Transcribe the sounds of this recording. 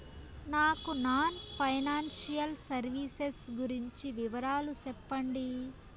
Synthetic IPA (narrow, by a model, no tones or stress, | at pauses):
naːkunaːnpʰɐjnaːnʃijɐlsɐɾʋiːsesɡuɾiɲt͡ʃiʋiʋɐɾaːlusɛpːɐɳɖi